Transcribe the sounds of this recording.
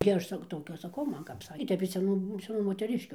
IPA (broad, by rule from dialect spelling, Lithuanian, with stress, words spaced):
ɡʲɪ ˈɐʃ ˈsɐk ˈtoːkʲɛ ɐʃ sɐˈkɐʊ ˈmɐn kɐp ˈsɑːkʲeː ɪ ˈtʲɛp ɪʃ sʲɛˈnuː sʲɛˈnuː moːtʲɛˈrʲɪʃʲkʲʊ